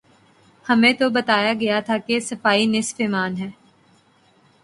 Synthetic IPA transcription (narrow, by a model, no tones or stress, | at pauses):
hɐmẽt̪obɐt̪aːjaɡɐjat̪ʰakesɐfaːinɪsfemaːnɦɛː